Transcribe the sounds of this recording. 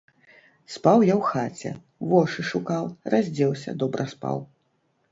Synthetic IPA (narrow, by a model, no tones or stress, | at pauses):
spawjawxat͡sʲɛ̰ | vɔʂɨʂukawrazʲd͡zʲɛwsʲɐ̰d̪ɔbɾʔɐspa̰w